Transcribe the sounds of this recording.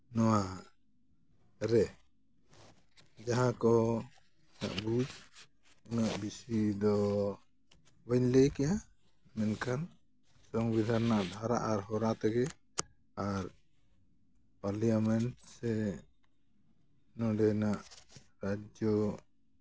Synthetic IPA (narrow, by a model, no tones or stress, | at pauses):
nɔwa | ɾɛ | d͡ʒaɦãkɔ | na̰ʔbud͡ʒ | unaʔbisid̪ɔ | wɛɲlɛjkɛja | mɛnkʰan | sɔŋbid̪ʱaɾnaʔb̪ʱaɾa̰ʔaɾɦɔɾat̪ɛɡɛ | aɾ | paɾliamɛnʈsɛ | nɔ̃ɖɛnaʔ | ɾad͡ʒɔ